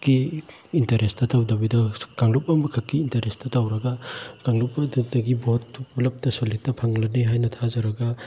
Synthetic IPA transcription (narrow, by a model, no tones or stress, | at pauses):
ki | intɐɾestɐtawdɐbidɐkaŋlup̚ɐmɐkʰɐkːiːntɐɾestɐtawɾɐɡɐkaŋlup̚ːɐdudɐɡibotulɐp̚tɐsolik̚tːɐpʰɐŋlɐneɦajnɐtʰazɐɾɐɡɐ